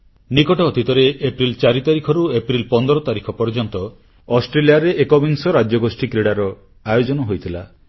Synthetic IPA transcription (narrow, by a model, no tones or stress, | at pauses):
nikɔʈɔːd̪ʱit̪ɔɾeepɾilt͡ʃaɾit̪aɾikʰɔɾuepɾilpɔnd̪ɔɾɔt̪aɾikʰɔpɔɾd͡ʒɔnt̪ɔ | ɔsʈɾeliaɾeʔekɔbinsɔɾad͡ʒjɔɡosʈikɾiɽaɾɔ | ajod͡ʒɔnɔɦojt̪ʰila̰